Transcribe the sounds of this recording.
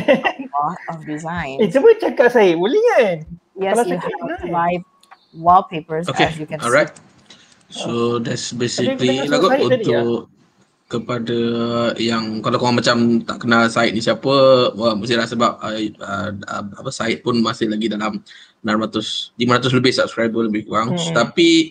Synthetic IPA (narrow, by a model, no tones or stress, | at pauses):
ɔɔdizãɪ̃ned͡ʒəbət͡ʃəkaʔsaɪʔbuliən | jɛslajuhbaj | wɔlpepə˞sokẽukɛ̃nɔlɹajt̪̚ | sodɛtsbesiklilaɡɔunt̪ʊʔ | kːəpadəjaŋkalakaŋaŋmat͡ʃamt̪a̰ʔkənasaɪt̪̚nĩsiapəəməst̪ilasəbap̚əəə̰ma̰pəsaɪt̪̚pʊnmasɪhlaɡidalam | ənanmat̪ʊslimaɾat̪̬ʊs̬ləbɪhsap̚skɾɹajbələbɪhaŋt̪api